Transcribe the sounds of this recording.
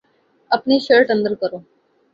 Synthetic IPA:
apniɕəɭʈənd̪əɾkəɾo

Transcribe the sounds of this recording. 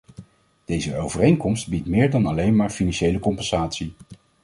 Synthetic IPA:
d̥ejzəowvərejŋkɔmstbitmɪːɹdɑnɑlejnmaːɹfinɑnʃejləkɔmpɛnz̥aːtsi

